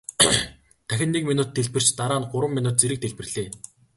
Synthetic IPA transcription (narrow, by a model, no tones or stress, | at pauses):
t̪ʰæxʲɪ̆nːiːkminuːt̪ʰːeɮpɘ̆r̥t͡ɕt̪aɾaːnɢʊɾwə̆mːinʊːt̪̚t͡seɾɘ̆k̚t̪ʰeɮpɘ̆rɮ̥eː